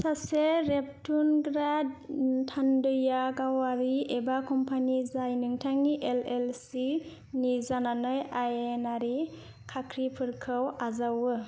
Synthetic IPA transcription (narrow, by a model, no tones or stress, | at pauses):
saseɾep̚tunɡɾadtʰandɯjaɡawaɾiebakɔmpʰanizajnɯŋtʰaŋːiʔelelsi | nizananɯjajenaɾi | kʰakʰɾipʰɯɾkʰɯwazawɯ